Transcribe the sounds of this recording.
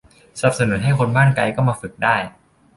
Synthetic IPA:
sa˨˩p̚sa˧nu˨˦t̪̚ɦa˥˩jkʰo˧nbaː˥˩nka˧jkɔː˥˩maː˧fɯ˨˩k̚daː˥˩j

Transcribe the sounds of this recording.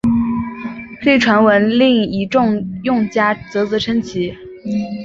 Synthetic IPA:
fe˥˩ɪʈ͡ʂʰwa˧˥nwə˧˥nli˥˩ŋi˧˥ʈ͡ʂʊ˥˧ŋjʊ˥˧ŋt͡ɕja˥t͡sɤ˧˥t͡sɹɤ˧˥ʈ͡ʂʰə˥nt͡ɕʰi˧˥

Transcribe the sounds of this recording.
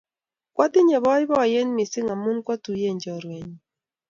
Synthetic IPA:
kwʔa˦tɪ˦ɲɛ˨βɔ˦ɪ˦bɔ˦a˨je˦n˦mɪ˨sɪ˦ŋa˨mu˦nkwa˦tu˨je˦˨ɲd͡ʒɔ˨ɾwɛ˨ɲ˨

